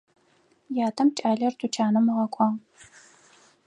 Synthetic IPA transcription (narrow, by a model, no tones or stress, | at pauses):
jaːtʰɐmt͡ʃʼaːɮɐrtʰut͡ʃʰaːnɐmɨʁɐkʷʰɑːʁ